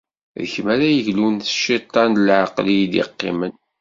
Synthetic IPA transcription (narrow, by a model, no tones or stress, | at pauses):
ðçəmæɾæjəʝlunθʃit̪ˤːɑnlʕaqlijd̪ḭqːḭmən